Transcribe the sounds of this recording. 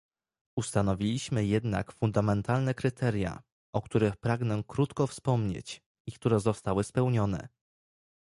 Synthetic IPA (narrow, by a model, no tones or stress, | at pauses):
ust̪anɔvʲilʲiɕmɘjɛd̪na̰kfund̪amɛnt̪alnɛkɾɘt̪ʰɛɾʲja̰ | ʔɔkt̪uɾɘxpɾaɡnɛkɾut̪kɔfspɔmɲḛt͡ɕ | ikt̪uɾɛzɔst̪awɘspɛwɲɔnɛ̰